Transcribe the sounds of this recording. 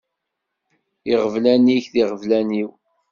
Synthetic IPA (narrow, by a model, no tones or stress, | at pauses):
iʁəvlæniçθiʁəvlæniw